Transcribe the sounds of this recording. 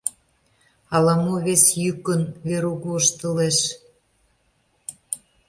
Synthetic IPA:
ɑlɑmoβesjykə̆nβeɾuɣuəʃt̪ə̆leʃ

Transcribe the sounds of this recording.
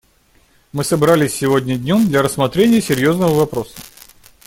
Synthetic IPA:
mɨsɐbɾalʲɪsʲːɪvo̞dʲnʲədʲnʲomd̪lʲɐɾəsmɐt̪ɾʲenʲɪjəsʲɪɾʲjo̞znəvəvɐpɾo̞sə̥

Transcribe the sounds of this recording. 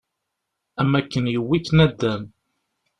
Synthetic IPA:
æmːækːənjəwːiθnæd̪ːæn

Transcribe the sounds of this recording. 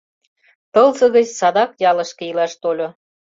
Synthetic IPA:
t̪ɤlˠzɤ̆ɣət͡ɕsɑd̪ɑkjɑlɤ̆ʃkĕilɑʃt̪olʲo

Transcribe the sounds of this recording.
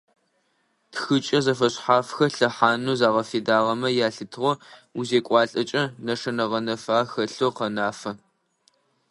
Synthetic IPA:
txɨt͡ʃʼɐzɐfɐɕħaːfxɐɬɐħaːnuːzaːʁɐfeːdaːʁɐmɐjaːɬɨtʰʁʷɔuzeːkʷʼɑːɬʼɐt͡ʃʼɐnɐʂɐnɐʁɐnɐfaːxɐɬoqɐnaːfɐ

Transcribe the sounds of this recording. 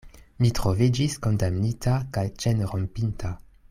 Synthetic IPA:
mitɾovid͡ʒisko̞ndamnitakajt͡ʃenɾompintʰa

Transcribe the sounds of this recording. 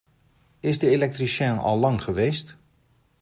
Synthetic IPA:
ɪsdəelɛk̚trisjɛnɔ̰lˠlɑŋχəʋeːst

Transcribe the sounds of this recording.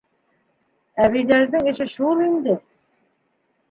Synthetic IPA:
æβijd̪æɾðɘŋɘ̆ʃɘʃulˠind̪ɘ

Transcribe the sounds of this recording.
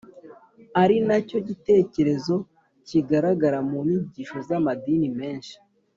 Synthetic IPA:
aɾinaco̞ɟite̞ːce̞ɾe̞zo̞ | ciɡaɾaɡaɾamumiɟiʃo̞zamadinime̞ːnʃi̥

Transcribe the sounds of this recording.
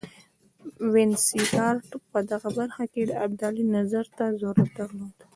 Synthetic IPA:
wɪnsitɑɾʈpəd̪aɣabaɾxaked̪əab̚d̪alinazaɾt̪azoɾad̪aɾlod̪

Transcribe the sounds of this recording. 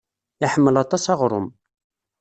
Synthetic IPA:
ɪħəmːəlɑt̪ˤɑsɑʁɾˤʊ̰m

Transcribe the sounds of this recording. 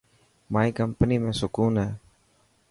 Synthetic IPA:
maːiːkəmpəniːmẽːsʊkuːnɦɛː

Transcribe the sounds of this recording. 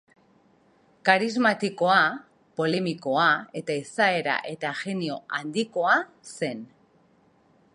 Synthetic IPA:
kaɾizmat̪iko̞a | po̞le̞miko̞ae̞t̪aisae̞ɾa̰ʔe̞t̪aɣe̞nio̞and̪iko̞a | se̞n

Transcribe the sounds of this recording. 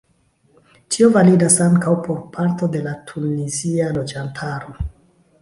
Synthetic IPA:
tʰio̞validasaŋkawpo̞ɾpʰaɾto̞de̞latʰunizialo̞d͡ʒantʰaɾo̞

